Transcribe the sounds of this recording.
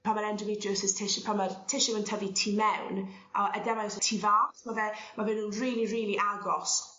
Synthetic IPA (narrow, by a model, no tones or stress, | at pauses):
pʰamaɾɛndəvɪdəsɪstʰɪʃpʰamartʰɪʃɪwəntʰəvitʰiːmɛwn | ʔaʔədɛmajɔsətʰiːvaːtmavɛmavɪnhuːnriːlˠiriːlˠiʔaɡɔs